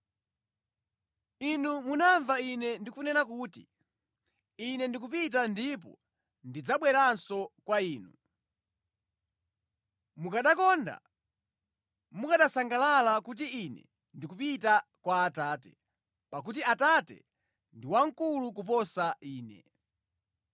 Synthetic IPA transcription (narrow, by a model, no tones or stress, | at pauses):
inumunaɱvainɛndikunɛɾak̬uːti | inɛndik̬upit̬andip̬ɔ̰ | ndid͡zaɓwɛɾansɔkwaiːnu | mukaɗakɔnda̰ | mukaɗasaŋɡalalakut̬iinɛ̰ | ndik̬upitakwaːtaːtɛ̰̥ | pak̬ut̬iatatɛ̰ | ndiwaŋ̩kuluk̬up̬ɔsaiːnɛ̰